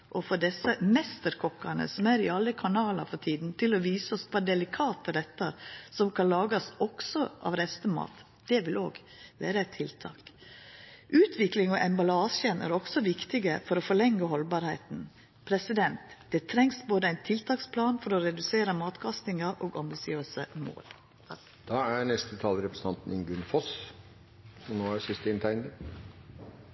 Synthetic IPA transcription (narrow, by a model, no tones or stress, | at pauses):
ʔɔfɔɖ̪ɛsːəmɛst̪əɾkʰɔkːɑnə̰sɔmæɾɪɑlːəkʰɑnɑːlɑ̰ɾfɔʈ̪ʰiːd̪n̩t̪ʰɪlɔʋiːsəɔsʋɑːd̪ɛlɪkʰɑːt̪əɾɛt̪ːəɾsɔmkʰɑnlɑːɡɑsɔksɔʔɑ̰ʋɾɛst̪əmɑ̰ːt̪ | d̪̥ɛʋɪloːɡ | ʋæːɾəæt̪ʰɪlt̪ʰɑ̰ːk | ʔʉːt̪ʰʋɪklɪŋɔʔɛmbɑlɑːʃənæ̰ɾɔksɔʋɪkt̪ɪɡəfɔɾɔfɔɭɛŋːəhɔlbɑːɾheɪt̪n̩ | pʰɾɛsɪd̪ɛnt̪d̪̥ɛt̪ʰɾɛŋsboːd̪əæɪnt̪ʰɪlt̪ʰɑːkspʰlɑːnfɔɾɔɾɛd̪ʉseːɾəmɑːt̪kʰɑst̪ɪŋɑʔoːɡɑmbɪsɪøːsəmo̰ːl | d̪̥ɑæɾnɛst̪ət̪ʰɑːlɾɛpɾəsəɑnt̪n̩ɪnɡʉnːfɔs | sɔmnoːæɾsɪst̪əɪnt̪ʰæɪnə